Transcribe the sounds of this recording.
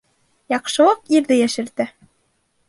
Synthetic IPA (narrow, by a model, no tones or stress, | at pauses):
jɑqʃɤ̆lˠɤqiɾðɘjæʃɘ̆ɾd̪ɘ